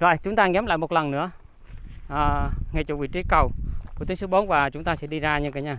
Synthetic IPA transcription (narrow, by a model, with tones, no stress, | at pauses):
zo̰˧˨jt͡ɕʊ˨˦ŋ͡mt̪aː˧ŋɛ˨˦mla̰ː˧˨jmo˨˩t̚lə˨˩nnɨ̰˧˥ə | ʔəː˨˩ŋa˨˩jt͡ɕʊ˧˩vḭ˨˧˩t͡ɕi˨˦kə˨˩wku˧˩t̪i˨˦ŋsɨ˨˦ɓo˨˦nvaː˨˩t͡ɕʊ˨˦ŋ͡mt̪aː˧sɛ̰˧˥ɗi˧zaː˧ɲɨ̰˧ŋka˨˩˦ɲaː˧˩